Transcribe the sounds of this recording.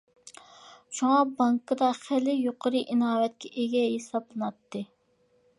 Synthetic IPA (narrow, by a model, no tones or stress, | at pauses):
ʃuŋɑbɑŋkʰɨd̪ɑχælɪjoqʰəɾɨʔinɑːwɛt̪̚kʲʰɛʔeɡʲɛjesɑplˠɨnɑt̪ːɨ